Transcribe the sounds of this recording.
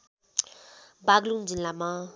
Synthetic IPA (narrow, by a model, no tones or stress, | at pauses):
baɡluŋd͡zinlama